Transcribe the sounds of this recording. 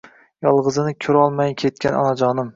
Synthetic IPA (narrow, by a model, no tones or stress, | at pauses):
jɒlˠʁɨzɪnɪkʲʰɵɾɒlˠmajkʲʰe̞t̪̚kʲʰanɒ̰nad͡ʒɒnɪm